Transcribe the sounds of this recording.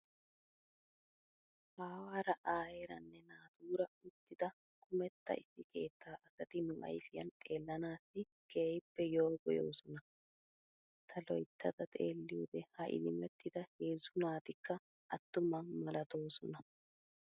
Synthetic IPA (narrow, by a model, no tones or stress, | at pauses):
haːwaːɾɐʔaːjeɾɐ̰nːɛnaːt̪uːɾɐʊt̪ːɪd̪ɐ | kʊmɛt̪ːɐ̰ʔɪsːɪke̞ːt̪ʰːaːʔɐsɐt̪ɪnuʔɐ̰jfɪjɐnt̪ʼe̞ːlːɐnaːsːɪ | keːjpːɛjoːɡɔjo̰ːsɔnɐ | t̪ʰɐlɔjt̪ːɐd̪ɐt̪ʼḛːlːɪud̪ɛhɐʔɪ̰lɪmɛt̪ːɪd̪ɐhe̞ːzʊnaːt̪ɪkːɐ | ʔɐt̪ːʊmɐnmɐlɐt̪o̞ːsɔnɐ